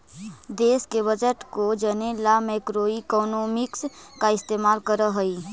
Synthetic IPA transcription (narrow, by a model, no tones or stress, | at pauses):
d̪eːskebəd͡ʒəʈkod͡ʒənelamɛkɾoːikɔːnoːmɪkskaɪst̪eːmaːlkəɾəɦəi